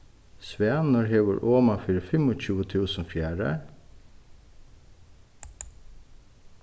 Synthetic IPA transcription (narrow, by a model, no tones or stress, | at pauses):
sʋæːnʊɹɦeːʋə̰ɹʔoːmafɪɾfɪmɔt͡ɕʰʉːət̪ʰuːsənfjæːɹə̰